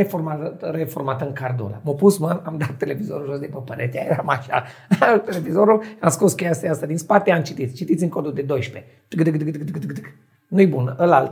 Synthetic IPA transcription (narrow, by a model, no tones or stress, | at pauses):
eformat̪əɾeformat̪əɨŋkard̪o̰la̰mopusmanamd̪at̪ːe̞le̞vizo̞ɾuʒosd̪epəpəɾet̪eajeɾamaʃa̰ | t̪ele̞vizoɾulamskoskʲejast̪ajast̪ad̪inspat̪eamt͡ʃit̪it̪sʲt͡ʃit̪it̪sʲiɨŋkod̪uld̪ed̪o̞jʃpe | ɡd̪ɡd̪ɡɨd̪ɡd̪ɡɨd̪ɡɨd̪ɡ | nujbunʔəlalt̪